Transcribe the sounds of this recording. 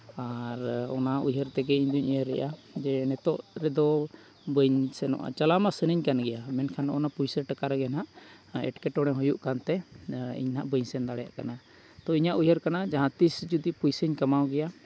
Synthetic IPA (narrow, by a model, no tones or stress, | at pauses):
aɾɔ̰naujɦəɾt̪ɛɡɛiɲd̪uɲijəɾːɛ̰ʔad͡ʒɛnɛt̪ɔʔɾɛd̪ɔ | bəɲsɛnɔ̰ʔa̰t͡ʃalamasənəɲkanɡɛjamɛnkʰanʔɔnapujsəʈəkaɾɡɛnaʔɛ̰ʈkɛʈɔɽ̃ɛɦɔjuʔkant̪ɛḭɲnaʔbəɲsɛnd̪aɽɛja̰ʔkana | t̪ɔiɲaʔujɦəɾkanad͡ʒaɦãt̪isd͡ʒud̪ipujsəɲkamawɡɛja